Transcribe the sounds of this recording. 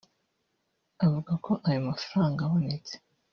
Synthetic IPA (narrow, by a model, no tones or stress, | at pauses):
avuɡako̞ʔajumafaɾaːŋɡawanet͡se̥